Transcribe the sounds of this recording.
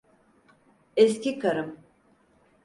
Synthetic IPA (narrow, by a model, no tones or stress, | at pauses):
ɛscʲikʰaɾɯm